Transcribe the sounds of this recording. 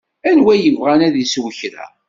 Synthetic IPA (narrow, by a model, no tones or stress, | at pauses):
ænwæjəvʁanæðəswəçɾæ̰